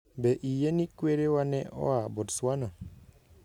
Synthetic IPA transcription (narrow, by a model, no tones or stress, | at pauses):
bɛʔijenikweɾewanɛʔɔ̰abɔdswanɔ